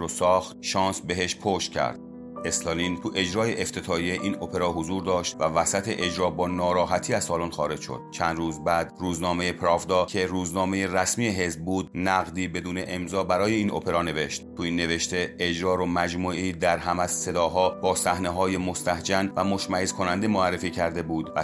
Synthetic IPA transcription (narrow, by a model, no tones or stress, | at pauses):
ɾosɒːxt̪ʃɒːnsbe̞ɦeʃpʰoʃt̪̚cʰæ̰ɾd̪̥̚ | e̞slolint̪ʰuʔe̞d͡ʒɾɒːje̞ʔeft̪ʰe̞t̪ʰɒːijeʔiːnopʰe̞ɾɒːɦozuːɾd̪ɒːʃt̪vævæsæt̪ʰe̞ʔed͡ʒɾɒːbɒːnɒːɾɒːɦæt̪ʰiːæz̥sɒːlunxɒːɾe̞d͡ʒʃo̰d̪̥̚t͡ʃʰænd̪ruːzbæːd̪ruːznɒːme̞jepʰɾɒːvd̪ɒːcʰe̞ɾuːznɒːme̞jeræsmiːeɦe̞zb̚buːd̪̚næɣd̪iːbe̞d̪uːne̞ʔemzɒːbæɾɒːje̞iːnʔo̰pʰe̞ɾɒːne̞ve̞ʃt̪t̪ʰuiːnːe̞ve̞ʃt̪e̞ed͡ʒɾɒːɾomæd͡ʒmuːed̪æɾɦæmæzse̞d̪ɒːɦɒːbɒːsæhneɦɒːjemo̞st̪æhd͡ʒænvæmo̞ʃmæhezkʰo̞nænd̪e̞moærːe̞fiːcʰæɾd̪e̞buːd̪væ